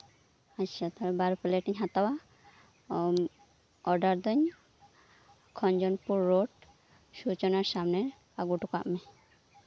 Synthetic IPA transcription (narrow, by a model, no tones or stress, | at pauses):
aat̪ʰaɾɛbaɾpɛleʈiɲɦat̪awa | ɔɖaɾd̪ɔɲ | kʰɔɲd͡ʒɔnpuɾːoɖ | sut͡ʃɔnaɾsamnɛ | aɡuʈuka̰ʔmɛ